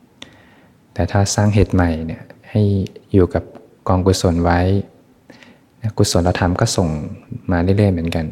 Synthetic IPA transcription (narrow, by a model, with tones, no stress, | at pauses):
t̪ɛː˨˩t̪ʰaː˥˩saː˥˩ŋɦeː˨˩t̪̚ma˨˩jni˧˩ɐha˥˩jjuː˨˩ka˨˩p̚ | kɔː˧ŋku˧t̪̚so˩˦nwa˦˥j | na˦˥ku˧˩so˨˦nla˧t̪ʰa˧˩˦mkɔː˥˩so˨˩ŋmaː˧lɯː˥˩˨lɤː˥˩jmɯ˩˦ənka˧n